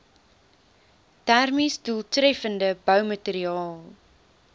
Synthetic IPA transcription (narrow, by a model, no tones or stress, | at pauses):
tærmisduəlˠtrɛfəndəbœwməteɾiɑːlˠ